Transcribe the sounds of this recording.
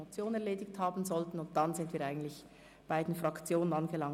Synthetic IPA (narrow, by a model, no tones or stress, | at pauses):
ot͡sjoːnɛʁleːdɪçthaːbn̩zɔltn̩ʊnt̚d̥ɑnzɪndviːɐɾaɪɡətlɪç | b̥aɪdnfʁɑkt͡sjoːnənɑnɡəlɑŋ